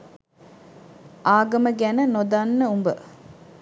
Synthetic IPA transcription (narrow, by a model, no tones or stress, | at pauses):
ʔaːɡɐməɡænənod̪anːəumbə